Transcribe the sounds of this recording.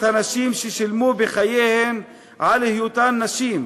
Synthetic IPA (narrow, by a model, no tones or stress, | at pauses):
hanaʃiːmʃeʃilmuːbɪxajeːhem | ʕalhɪjut̪aːnːaʃiːm